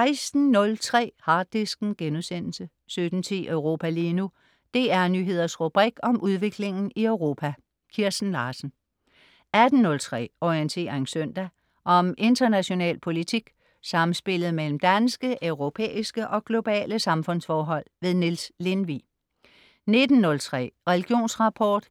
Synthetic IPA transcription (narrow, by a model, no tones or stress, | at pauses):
sɑɪsd̥n̩nɔ̽lt͡sʰʁɛ̰ːhɑ̈ːd̥isɡ̥n̩ɡ̥enusen̰l̩sə | sød̥n̩t͡sʰḭːʔœʊʁo̝ːpʰæliːnu | d̥e̝ːæɐnyːɦe̝ð̰ˠɐsʁub̥ʁiɡ̥ɒ̽mʔuð̞ˠʋe̝ɡ̥le̝ŋn̩iœʊʁo̝ːpʰæ | kʰiɐsn̩lɑ̈ːsn̩ | æd̥n̩ːɔ̽lt͡sʰʁɛ̰ːɒient͡sʰe̝̰ːɐensøn̰d̥æ | ʔɒ̽mʔe̝nd̥ɐnæɕo̝nɛ̰ːlpʰo̝lit͡sʰiɡ̥ | sɑ̈mn̩sb̥e̝lð̞̩ˠmel̰m̩d̥ænsɡ̥əʔøʊʁo̝pʰḛːisɡ̥əʔɒ̽ɡ̥lo̝b̥ɛ̰ːləsɑ̈mfɔ̽n̰sfɒːɦɒ̽l̰ʋe̝ðˠnilsle̝nʋi | ne̝d̥n̩ːɔ̽lt͡sʰʁɛ̰ːʁɛliɡ̥jo̝̰ːnsʁɑ̈pʰɒːd̥